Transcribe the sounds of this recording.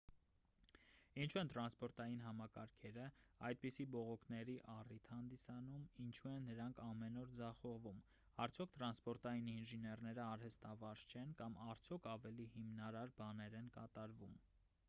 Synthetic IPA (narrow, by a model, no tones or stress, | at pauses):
int͡ʃʰuɛnt̪ɾɑnspɔɾt̪ɑjinɦɑmɑkɑɾkʰɛɾəɑjd̪̚pisibɔʁɔkʰnɛɾiʔɑrit̪ʰhɑnd̪isɑnumint͡ʃʰuɛnːəɾɑŋkʰɑmɛnɔɾd͡zɑχɔʁvum | ɑɾt͡sʰjɔkʰt̪ɾɑnspɔɾt̪ɑjininʒinɛrnɛɾəɑɾhəst̪ɑvɑɾt͡ʃʰɛnkɑmɑɾt͡sʰjɔkʰɑvɛlihimnɑɾɑɾbɑnɛɾɛnkɑt̪ɑɾvum